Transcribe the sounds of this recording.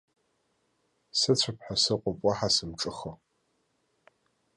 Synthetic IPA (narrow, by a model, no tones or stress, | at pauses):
sɨt͡ɕʷʰəpħasɨqʷʼʊpʼɔħasɨmʈ͡ʂʼɨxɐ